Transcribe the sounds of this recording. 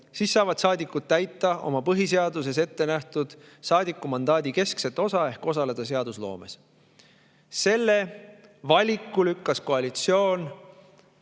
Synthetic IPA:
siːsːɑːvɑd̪sɑːd̪ikːˑut̪̚t̪ːæjt̪ːˑɑʔo̞̰mɑpɤɦis̬e̞ɑd̪us̬e̞se̞t̪ːe̞næht̪ud̪̥ | sɑːd̪ikːˑumɑnd̪ɑːd̪ike̞skset̪ːˑo̞sɑe̞hko̞sɑle̞d̪̥ɑs̬e̞ɑd̪̥uslo̞̰ːme̞s | se̞lːe̞vɑlʲikːulykːɑsko̞ɑlit̪sio̞ːn

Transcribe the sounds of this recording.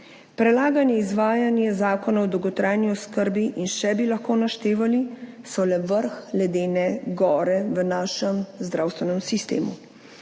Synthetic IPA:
pɾɛlaːɡanjɛizʋaːjanjɛzaːkɔnaɔd̪ɔwɡɔt̪ɾaːjniɔskəɾbiʔinʃɛbilaxkoːnaʃt̪eːʋalisɔlɛʋəɾxlɛd̪eːnɛɡɔːɾɛʋənaːʃəmzd̪ɾʔawst̪ʋɛnɛmsist̪ḛːmu

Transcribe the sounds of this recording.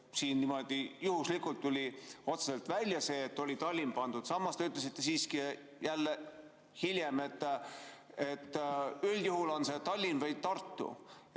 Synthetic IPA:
siːnnimo̞d̪̥ijuhuslikult̪ːulʲio̞t̪sese̞lt̪vælʲjɑse̞ːt̪ːo̞lʲit̪ɑlʲːimpɑnd̪̥ud̪̥sɑmːɑst̪eyt̪les̬it̪ːe̞siːski | jælːe | hiljeme̞t̪ː | e̞t̪ːyljuhulo̞nse̞t̪ɑlʲːinvɤjd̪̚t̪ɑrt̪ːṵ

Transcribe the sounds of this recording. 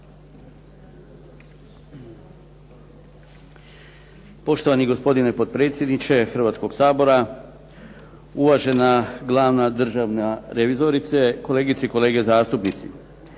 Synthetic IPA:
po̞ʃt̪o̞ʋaniɡo̞spo̞d̪inepo̞d̪̚pɾe̞ːt̪sjed̪nit͡ʃe̞xr̩ʋaːt̪sko̞ɡsaːbo̞ɾa | uʋaʒe̞naɡlˠaːʋnad̪r̩ʒaʋnaɾeʋizo̞ɾit̪seko̞le̞ːɡit̪seiko̞le̞ːɡezaːst̪upnit̪sḭ

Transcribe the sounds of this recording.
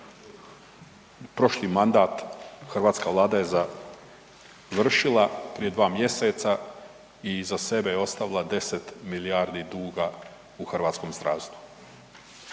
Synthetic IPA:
pɾo̞ʃlimand̪aːt̪xrʋaːt̪skaʋlˠaːd̪aje̞za | ʋr̩ʃilˠapɾije̞d̪ʋaːmje̞set̪sa | izase̞bejeo̞st̪aʋilˠad̪e̞set̪miliaːɾd̪id̪uːɡa | uxrʋaːt̪sko̞mst̪ɾaːst̪u̥

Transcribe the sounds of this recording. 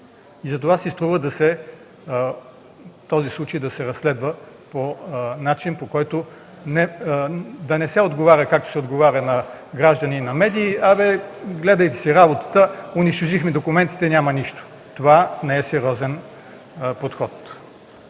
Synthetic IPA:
izɐt̪ovasist̪ɾuvəd̪ɐsɛ | t̪ɔzislˠut͡ʃəjd̪ɐsɛɾɐsːlɛd̪və | ponat͡ʃinpokɔjt̪o | nɛ | d̪ɐnɛsɛod̪ɡovaɾʲəkak̚t̪o̥sɛod̪ɡovaɾʲənɐɡɾaʒd̪ɐninɐmɛd̪iːavɛɡlɛd̪əjt̪ɛ̥siɾabot̪ə̥t̪əʊniʃt̪oʒixmid̪okʊmɛnt̪i̥t̪ɛnʲamɐniʃt̪o̥ | t̪ovanɛɛsɛɾʲjɔzɛn | pot̪xɔt̪

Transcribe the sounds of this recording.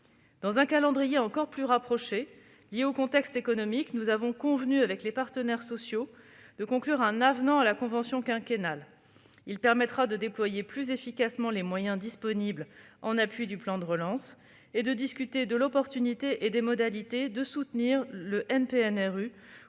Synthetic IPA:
d̪̥ɑ̃zɛ̃kalɑ̃d̪ʁijeɑ̃kɔʁplyʁapχɔʃe | ljeokɔ̃t̪ɛkst̪ekɔnɔmiknuzavɔ̃kɔ̃vnyavɛklepaʁt̪ənɛʁsɔsjod̪əkɔ̃klyʁɛ̃navnɑ̃alakɔ̃vɑ̃sjɔ̃kɛ̃kʲenal | ilpɛʁmɛt̪χad̪əd̪eplwajeplyzefikasmɑ̃lemwajɛ̃d̪ispɔniblɑ̃naplɥid̪yplɑ̃d̪əʁəlɑ̃s | ed̪əd̪iskʲyt̪ed̪əlɔpɔʁt̪ynit̪eʔed̪emɔd̪alit̪ed̪əsut̪niʁləʔɛnpeɛnɛʁy

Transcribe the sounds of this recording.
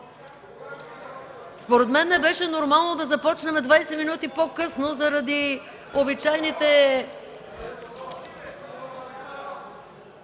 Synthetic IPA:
spoɾɛd̪mɛnːɛbɛʃɛnoɾmalˠnod̪ɐzɐpɔt͡ʃnɛmɛd̪vajsɛminut̪ipokɤsnozɐɾɐd̪i | obit͡ʃajnit̪ɛ

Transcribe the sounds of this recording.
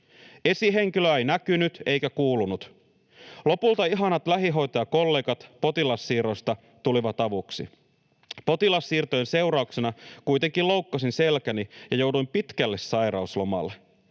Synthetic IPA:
e̞siɦe̞ŋk̟iløejnækynyt̪e̞jkækuːlunut̪ | lo̞pult̪ɑiɦɑnɑt̪læɦiɦo̞jt̪ɑjɑko̞lːe̞ːɡɑt̪po̞t̪ilɑsːiːɾo̞st̪ɑ | t̪uliʋɑt̪ɑʋuksḭ | po̞t̪ilɑsːiːrt̪ojense̞uɾɑuksenɑkujt̪e̞ŋkilo̞wkːɑsinse̞lkænijɑjo̞wdujmpit̪kælːe̞ssɑjɾɑuslo̞mɑ̰lːe

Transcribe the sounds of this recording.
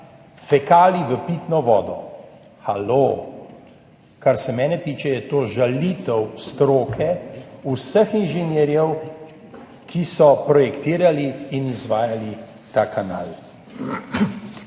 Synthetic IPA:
fɛkaːliʋəpiːt̪nɔʋɔ̰ːd̪ɔ̰ | xalo | kaɾsɛmɛːnɛt̪iːt͡ʃɛjɛt̪oːʒalit̪ɛwst̪ɾoːkʰɛusəxinʒɛnɛɾjɛw | kʰisɔpɾɔjɛkt̪iːɾaliːnizʋaːjali | t̪aːkana̰ːl

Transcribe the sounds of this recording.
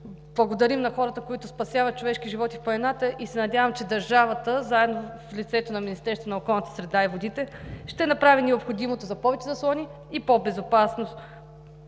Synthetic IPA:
b̥lˠɐɡod̪ɐɾimnɐxɔɾɐt̪əkoit̪ʊspɐsʲjavɐt̪̚t͡ʃovɛʃkiʒivɔt̪ifpɐɛnat̪əʔisɛnɐd̪ʲjavəmt͡ʃɛd̪ɐɾʒavət̪əzaɛd̪noflit̪sɛt̪onɐminist̪ɛɾst̪vonɐokɔlˠnət̪ə̥sɾɛd̪aivod̪it̪ɛʃt̪ɛnɐpɾavinɛopxod̪imot̪ozɐpɔvɛt͡ʃɛzɐslˠɔniː | pobɛzopasnost̪

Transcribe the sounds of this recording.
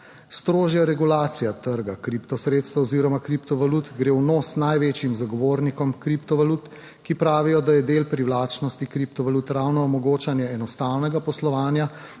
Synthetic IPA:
st̪ɾoːʒjaɾɛɡulaːt̪sijat̪əɾɡakɾiːpt̪ɔsɾeːt̪st̪aɔziːɾɔmakɾipt̪ɔʋalut̪ɡɾeːwnoːsnajʋeːt͡ʃjimzaɡɔʋoːɾnikɔmkɾiːpt̪ɔʋalut̪ | kipɾaːʋijɔd̪ajɛd̪eːlpɾiwlaːt͡ʃnɔst̪ikɾiːp̚t̪ɔʋalut̪ɾawnɔːmɔɡoːt͡ʃanjɛɛnɔst̪aːwnɛɡapɔslɔʋaːnja

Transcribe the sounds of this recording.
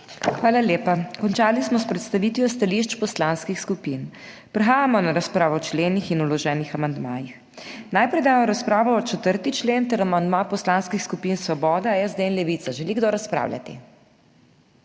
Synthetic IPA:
xʋaːlaljeːpakɔnt͡ʃaːlismɔspɾɛt̪st̪aʋiːt̪ʋjɔst̪aliʃt͡ʃpɔslaːnskixskupin | pɾɛxaːjamɔnaɾaspɾaːʋɔwt͡ʃleːnixinulɔʒɛːnixamand̪maːjix | naːjpɾɛjd̪aːmɔɾaspɾaːʋɔɔt͡ʃɛt̪əɾt̪it͡ʃleːnt̪ɛɾamand̪mapɔslanskixskupinsʋɔbɔːd̪aɛzd̪einlɛʋit̪saʒɛliɡd̪oɾaspɾa̰wljʲa̰t̪ḭ

